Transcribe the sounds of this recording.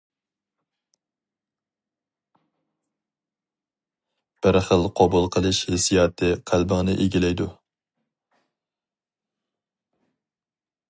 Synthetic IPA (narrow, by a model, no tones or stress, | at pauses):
b̥ɪɾχəlˠqʰɑbulˠqʰəlˠɨʃhesijɑːt̪ʰɨqʰælbɪŋnɨʔeɡʲilɛjd̪u